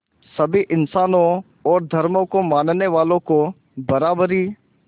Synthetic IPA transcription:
sɐbʱiʔɪnsaːnõ | ɔːɾd̪ʱɐɾmõkomaːnneʋaːlõko | bɐɾaːbɾi

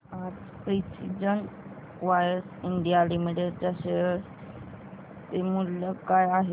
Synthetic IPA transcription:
ad͡z | pɾisid͡ʑən | ʋajəsiɳɖijalimiʈeɖd͡ʒəse | t̪emuljəkajaɦe

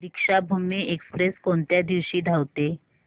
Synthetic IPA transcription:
ɾikʂabʱumeʔekspɾeskont̪jad̪iʋɕiːd̪ʱawt̪e

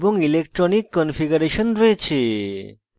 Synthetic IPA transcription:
boŋilek̚ʈɾonikːɔnfiɡuɾeʃonɾoet͡ɕʰe

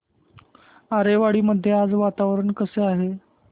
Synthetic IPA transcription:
aɾeʋaɽiːməd̪ʱːjead͡zʋat̪aʋɾəɳkəseaɦe

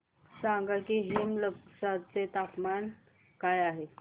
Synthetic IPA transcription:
sãŋɡakiɦemləpsat͡set̪apman | kajaɦe

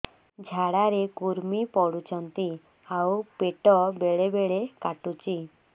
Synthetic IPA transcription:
d͡ʒʱaɽaɾekuɾmipɔɽut͡ʃɔnt̪i | awpeʈɔbeɭebeɭekaʈut͡ʃi

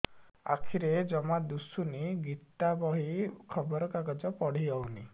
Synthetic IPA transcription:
a̰kʰiɾed͡ʒɔmad̪usuniɡit̪ːabɔɦikʰɔbɔɾɔkaɡad͡ʒɔpɔɽ̤iɔwni

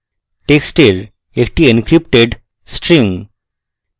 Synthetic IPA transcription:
ʈeksʈiɾ | ekʈienkɾipʈeɖ | sʈɾiŋ

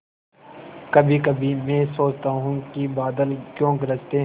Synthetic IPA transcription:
kəbʱiːkəbʱimẽːsoːt͡ʃt̪aːɦũkibaːd̪əlkjõːɡəɾəst̪eɦ

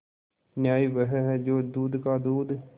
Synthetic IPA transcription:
njaːiːʋəɦɛɦɛd͡ʒoːd̪uːd̪kaːd̪uːd̪

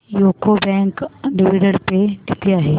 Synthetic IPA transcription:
joːkobɛ̃ːŋkɖɪʋiːɖəɽpeʈɪt̪iaːɦeː

